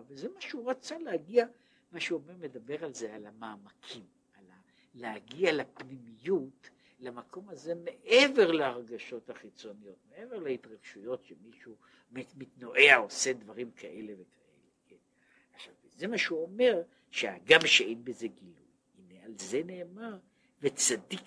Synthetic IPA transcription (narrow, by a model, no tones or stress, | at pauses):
vezemaʃeuʁat͡saleaɡia | maʃeuome̞ʁme̞d̪abe̞ʁalzealamaːmakʰim | ala | leaɡialapnimijut | lamakʰo̞maze̞meʔeve̞ʁleaʁɡaʃo̞thaχit͡so̞nijo̞t̪mee̞veʁlaitʁaɡʃujo̞tʃemiʃu | mmitnoʔeaose̞d̪vaʁimkʰaʔe̞le̞ve̞kʰaʔeleken | aχʃavze̞maʃeuome̞ʁ | ʃea̰ɡamʃeejnbeze̞ɡiluj | inealze̞ne̞ːmaʁ | vet͡sad̪ik